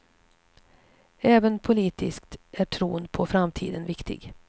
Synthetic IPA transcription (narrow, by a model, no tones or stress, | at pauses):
ɛːvənpʰʊliːt̪ɪskt̪æʈʰɾuːnpʰɔfɾamt̪ʰḭːd̪ənvɪkt̪ɪ̰ɡ